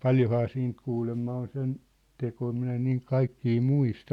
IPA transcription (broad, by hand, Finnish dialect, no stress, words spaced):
pɑljohɑː siːnt kuːlemːɑ on sen tekoi minæ en niːŋ kɑikːiː muistɑ